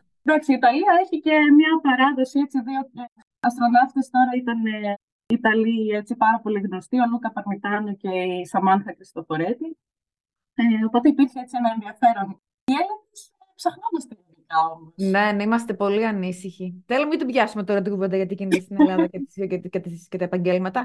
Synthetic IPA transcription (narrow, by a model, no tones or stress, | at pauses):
ðakseiːt̪ɐliɐeçice̞mɲɐpɐɾɐðo̞siet͡siðio̞t̪i | ɐst̪ɾonɐfkɐst̪o̞ɾɐit̪ɐne | it̪ɐlie̞t͡sipɐɾɐpo̞liɣno̞st̪io̞nukɐpɐɾmit̪ɐnice̞isɐmɐnxɐkɾist̪ofo̞ɾet̪i | eopo̞t̪e̞ipiɾçeet͡sienɐenðiɐfe̞ɾo̞n | ielɐðes | psɐxno̞mɐst̪etelikɐo̞mo̞snenimɐst̪e̞po̞liɐnisiçiθelomɐt̪ivʝɐsumet̪o̞ɾɐt̪̬ikuvend̪ɐʝɐt̪icinit̪ɐst̪inelɐðɐket̪iset̪ikɐt̪iisket̪ɐepɐɲɟelmɐt̪ɐ